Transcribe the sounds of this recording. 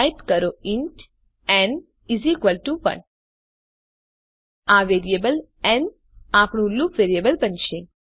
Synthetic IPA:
jpkəɾoĩɳʈ | ɛ̃n | izikʋəlʈuʋə̰ɳ | aʋeɾiebəl | ɛ̃n | apɳũlukʋeɾiebəlbənʃe

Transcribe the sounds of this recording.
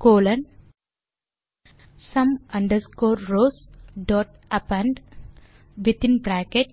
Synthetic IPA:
koːlɐ̃n | sɐ̃mɐ̃ɳɖəɾskoːɾɾoːsɖɔːʈ | ɐpɐ̃ɳɖ | ʋit̪ĩnbɾæːkeʈ

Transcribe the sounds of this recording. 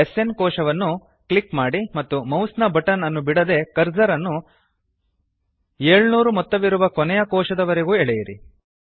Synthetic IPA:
ese̞nkɔːʂɐʋɐnːu | kɭikmaːɽimɐt̪ːumɐwsnɐbɐʈɐnɐnːubiɽɐd̪e̞kɐɾd͡ʒɐɾɐnːu | eːɭnuːɾumɔt̪ːɐʋiɾuʋɐkɔnɛjɐkɔːʃɐd̪ɐʋɐɾeɡuːɛɭɛjiɾḭ

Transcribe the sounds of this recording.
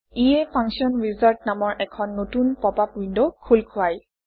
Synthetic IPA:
iepʰaŋsiɔnɹizalt̚namɔɹʔɛkʰɔnːotunpɔpapindɔkʰulkʰʊaj

